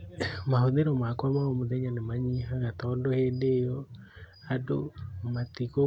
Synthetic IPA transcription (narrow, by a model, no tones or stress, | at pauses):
mahoðeɾɔmakwamaomoðɛɲanemaɲiɦaɣat̪ɔndohendejɔ | adomat̪iko